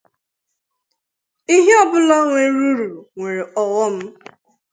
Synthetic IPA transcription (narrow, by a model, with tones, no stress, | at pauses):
i˦ɦe˦ɔ˦bʊ˦la˦ŋʷe˨˦ɾu˦ɾu˨ɾu˨ŋʷe˨ɾe˨ɔ˨wɔ˦m̩˦